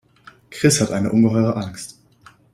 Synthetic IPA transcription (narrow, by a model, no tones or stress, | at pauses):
kʁ̥ɪshatʔaɪnəʔʊnɡəɦɔʏʁəʔaŋkst